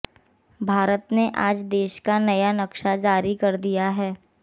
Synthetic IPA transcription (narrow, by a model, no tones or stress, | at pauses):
bʱaːɾət̪neʔaːd͡ʒd̪eːʃkanɐjanɐkʃad͡ʒaːɾikɐɾd̪ijaɦɛː